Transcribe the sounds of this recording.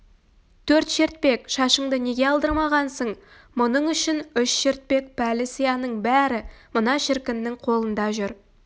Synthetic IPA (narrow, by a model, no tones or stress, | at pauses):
t̪ʰɵɾt̪ʃeɾt̪̚pe̞kʃɑʃəɴd̪əne̞ɡʲe̞ɑlˠd̪əɾmɑʁɑnsəɴ | mʊnəɴʏʃɪnʏʃʃeɾt̪̚pe̞k̚pʰælɪsijɑnəɴbæɾɪmʊnɑʃɪɾkʲɪnːɪŋqʰo̞lˠənd̪ɑʒʏɾ